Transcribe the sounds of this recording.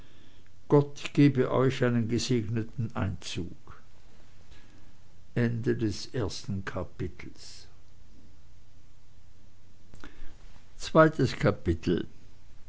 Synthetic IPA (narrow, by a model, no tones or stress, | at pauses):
ɡ̥ɔtɡ̥eːbəʔɔ̰ʏçʔaɪnənɡəzeːɡnətn̩ʔaɪnt͡suːk | ʔɛndədɛsʔeːɐstn̩kʰapɪtʰl̩s | t͡sv̥aɪtəskʰapɪtʰl̩